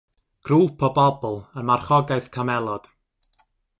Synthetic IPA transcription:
ɡ̥ruːpʰɔbɔbɔlˠənmarχɔɡaɨθkʰamɛlˠɔd̥

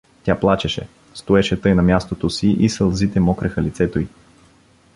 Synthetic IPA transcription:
t̪ʲaplˠat͡ʃɛʃɛ̰ | st̪oɛʃɛt̪ɤjnɐmʲjast̪ot̪osiʔisəlˠzit̪ɛmɔkɾɛxəlit̪sɛt̪oi

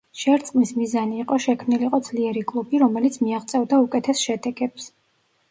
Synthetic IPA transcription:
ʃɛɾt̪sʼqʼmismizaniːqʼɔʃɛkʰmniliqʼɔd̪z̥liɛɾikʼlˠubiɾɔmɛlit̪sʰmiaχt̪sʼɛvd̪aukʼɛt̪ʰɛsʃɛd̪ɛɡɛps

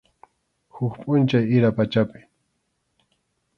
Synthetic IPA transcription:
hʊkpʼʊnt͡ʃajɪɾapat͡ʃapɪ̥

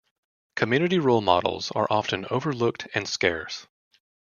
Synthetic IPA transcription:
kʰɨmjʉnɨɾiɹulˠmɑ̰ɾl̩ˠz̥ə̰˞ʔɑfɨ̃noʊvə˞lʊk̚tʰɨ̃nskɛɹs

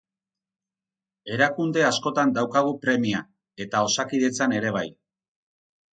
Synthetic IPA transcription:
e̞ɾakund̪e̞asko̞t̪and̪awkaɣ̞upɾe̞mia | e̞t̪ao̞sakiðe̞t͡sane̞ɾe̞β̞aj

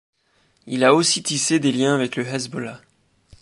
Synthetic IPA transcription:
ilaosit̪ised̪eljɛ̃avɛkləɦɛzbɔla

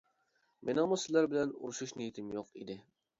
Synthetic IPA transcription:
mʔenɑmʊsɪzlæɾbɪlɛnṵɾuʃuʃnijit̪ʰɪmjoqḭd̪ɪ

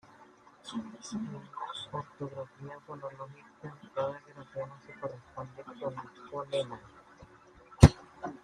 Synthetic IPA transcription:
eŋoɾt̪oɣɾafiafololoxikaŋkaðareɾaθjonasekorespond̪ekonepolema

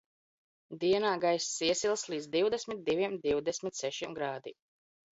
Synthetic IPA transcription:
d̪iɛnaːɡajssiɛsʲilˠslˠiːd̪zd̪iwd̪ɛsʲmit̪̚d̪ivʲiɛmd̪iwd̪ɛsʲmʲit̪sɛʃimɡɾaːd̪ḭ

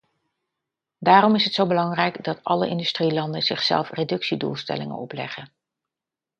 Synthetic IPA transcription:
daːɾɔmɪsɦətsowbəlɑŋrɛjɡdɑtɑlə̰ʔɪndystrilɑndənz̥ɪχsɛ̰lˠfredɵksidṵːlˠstɛ̰lɪŋə̰nɔplɛ̰χən

